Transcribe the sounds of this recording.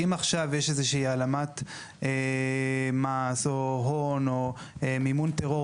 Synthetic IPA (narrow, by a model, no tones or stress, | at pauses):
imaχʃavjeʃezeʃiialamat̪ | e | masoɦono | emimunt̪eʁo̞